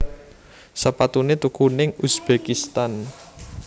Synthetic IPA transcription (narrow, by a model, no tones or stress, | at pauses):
səpat̪unet̪ukunɪŋusb̥ekist̪an